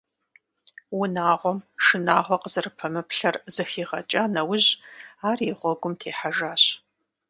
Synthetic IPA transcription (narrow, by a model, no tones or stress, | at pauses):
wʊnaːʁʷɔmʂɨnaːʁʷɔqəzɨrɨpʰɐmɨpɬɐrzɨxiːʁɐt͡ʃʼaːnɐwʊʑaːriʁʷɔɡʷʊmtʰeːħaʒaːɕ